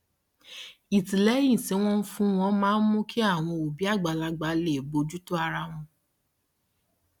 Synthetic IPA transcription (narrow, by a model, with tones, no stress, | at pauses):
i˨tĩ˨lɛ˨˦jĩ˦˨se˨˦w̃ɔ̃˦n̩˦fũ˦w̃ɔ̃˦mãː˦n̩˦mũ˦ki˦a˦˨w̃ɔ̃˧o˨bi˨˦a˦˨ɡ͡ba˨˧˨la˧ɡ͡ba˧le˦˨bo˧d͡ʒu˦to˦a˧ɾa˧w̃ɔ̃˧